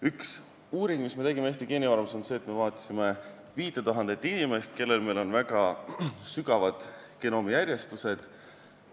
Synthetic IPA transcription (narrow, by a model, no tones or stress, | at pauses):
yks | uːɾiŋɡ̥misme̞t̪eɡimeeːs̬ʲt̪ikeːnivɑrmso̞nse̞ːt̪ːˑme̞vɑːt̪ʲˑsime̞ | viːt̪et̪uɦɑnd̪et̪ːˑinime̞st̪ke̞lːe̞lme̞jlo̞nvækɑsyɡɑvɑd̪̥keno̞ːmijærʲje̞st̪use̞d̪̥